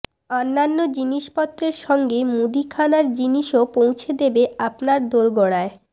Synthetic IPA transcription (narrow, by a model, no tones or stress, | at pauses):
ɔnːanːod͡ʑiniʃpɔt̪ːɾeɾʃɔŋɡemud̪ikʰanaɾd͡ʑiniʃopow̃t͡ɕʰed̪ebeapnaɾd̪oɾɡɔɽ̃ae